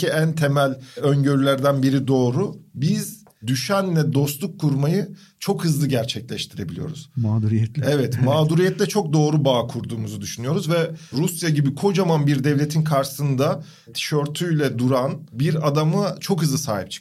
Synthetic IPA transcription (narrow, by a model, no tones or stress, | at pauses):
iænt̪ʰemælʲøɲɟøɾylʲæɾd̪ænbiɾid̪o̞ːɾubiz̥ | d̪yʃænlɛd̪o̞slˠukʰːuɾmajɯ | t͡ʃʰo̞khɯzlˠɯɟæɾt͡ʃʰɛclʲɛʃt̪ʰiɾe̞bilʲijo̞ɾṵz̥maːd̪uɾijɛt̪lɛvɛt̪maːd̪uɾijɛt̪lʲɛt͡ʃʰo̞k̚d̪o̞ːɾubaːkʰuɾd̪uːmuzud̪yʃynyjo̞ɾuzvɛɾusjaɟibikʰo̞d͡ʒamanbiɾd̪ɛvlʲe̞t̪ʰinkʰaɾʃɯ̥sɯnd̪a | t̪ʰi̥ʃøɾt̪ʰyjlʲɛd̪uɾanbiɾad̪amɯt͡ʃʰo̞kɦɯzlˠɯsa̰ːɦip̚t͡ʃʰɯ̥